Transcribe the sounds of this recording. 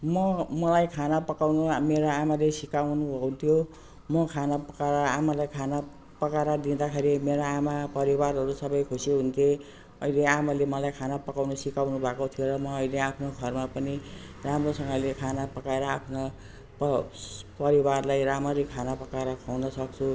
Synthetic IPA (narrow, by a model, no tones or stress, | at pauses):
mʌmʌlajkʰanapʌkawnumeɾoamalesikawnubʱʌunt̪ʰjo | mʌkʰanapʌkaɾʌamalajkʰana | pʌkaɾad̪ind̪akʰeɾimeɾoamapʌɾibaɾɦʌɾusʌbʌjkʰosiɦunt̪ʰje | ʌileamalemʌlajkʰanapʌkawnʌsikawnubʱakot̪ʰijoɾʌmʌʌjleapʰnoɡʱʌrmapʌni | ramrosʌ̃ŋɡʌlekʰanapʌkaeɾʌapʰno | pʌpʌɾibarlajɾamʌɾikʰanapʌkaeɾʌkʰawnʌsʌk̚t͡sʰu